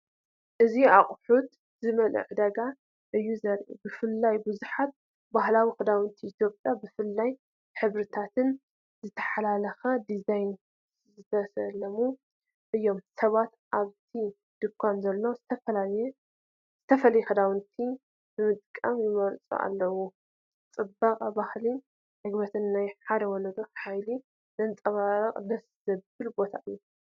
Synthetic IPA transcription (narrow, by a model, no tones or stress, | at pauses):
ʔɨziaχʼħut̪ | zɨmɐlɨ̰ʕd̪ɐɡa | ʔɨjːuzɐɾʔṵbɨfɨlːajbɨzuħat̪̚ | bahlawixɨd̪awɨnt̪ʰiʔit̪ʰjo̞pʼjabɨfɨlːaj | ħɨβɾɨt̪ʰat̪ʰɨn | zɨt̪ʰɐ̥ħalalɐxɐd̪izajn | zɨt̪ʰɐsɐlɐmu | ʔɨjːo̞msɐβat̪ʔaβt̪ʰi | d̪̥ɨkʷʰːanzɐlːo̞zɨt̪ʰɐfɐlajɛ | z̥ɨt̪ʰɐfɐlɐjɛxɐd̪awɨnt̪ʰi | bɨmɨt̪ʼkʼːamjɪmɐɾt͡sʼṵʔa̰lːɐwu | t͡sʼɨbaqʼabahli | ħɨɡbɐt̪ʰɨnːajħad̪ɐwɔlɐd̪ɐħajli | nɐnt͡sʼɐβaɾɐqʼd̪ɐsz̥ɐbbɨlbo̞t̪ʰa̰ʔɨjːu